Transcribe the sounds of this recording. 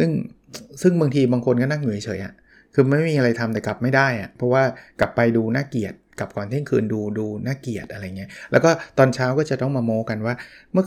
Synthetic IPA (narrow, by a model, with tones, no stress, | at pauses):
sɯ˥˩ŋ | sɯ˥˩ŋba˧ŋt̪ʰiː˧baː˧ŋkʰo˧nkɔː˥˩na˥˩ŋnu˨˩˦jt͡ɕʰɤː˩˦jʔa̰˨˩ | kʰɯː˧ma˥˩jmiː˧ʔa˧ɾa˧jt̪ʰa˧mt̪ɛː˨˩kla˨˩p̚ma˥˩jdaː˥˩jʔa̰˨˩pʰɔ˦˥waː˥˩kla˨˩pːa˧jduː˧naː˥˩ki˨˩ət̪̚ka˨˩p̚kɔː˨˩nt̪ʰi˥˨ŋkʰɯː˧nduː˧duː˧naː˥˩ki˨˩ət̪̚ʔa˧ɾa˧jːa˨˩ŋːi˦˥˩lɛː˦˥wkɔː˥˩t̪ɔː˧nt͡ɕʰaː˦˥wkɔː˥˩t͡ɕa˨˩t̪ɔ˥˩ŋmaː˧moː˧˥ka˧nwaː˥˩mɯ˥˩ə